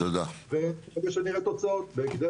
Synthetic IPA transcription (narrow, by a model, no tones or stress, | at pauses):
tod̪aveχaveʃeniʁet̪o̞t͡saot̪beːkd̪e